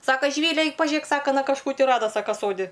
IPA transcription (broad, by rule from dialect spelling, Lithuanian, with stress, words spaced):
ˈsɑːkɐ ʒʲɪˈʋʲiːlʲɛ ˈɐɪk pɐˈʒʲeːk ˈsɑːkɐ ɐˈnɐ kɐʃˈkuː tʲɪ ˈrɑːdɐ ˈsɑːkɐ ˈsoːdʲɪ